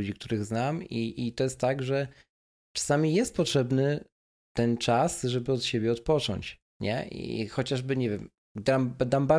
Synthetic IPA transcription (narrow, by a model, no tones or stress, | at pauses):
ud͡ʑik̚t̪uɾɘɣznamiʔit̪ɔjɛst̪tːaɡʐɛ | t͡ʂḁsamʲijɛst̪̚pɔtʂɛbnɘ | t̪ɛnt͡ʂasʐɛbɘɔt̪ɕebʲjɛɔt̪̚pɔt͡ʂɔ̰ɲt͡ɕ | ɲɛ̰ʔḭxɔt͡ɕaʐbɘɲɛvʲjɛm | d̪amd̪amba